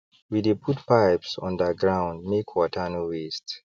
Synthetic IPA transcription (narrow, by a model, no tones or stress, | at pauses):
widepʰutpaɪpsɔ̰̃ndəɡɹãʊ̃nd̚mikʰwɔtʰanuwist